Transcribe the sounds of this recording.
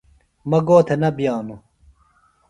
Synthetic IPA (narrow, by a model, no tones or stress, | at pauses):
mɐɡoːt̪ʰenɐbijaːnu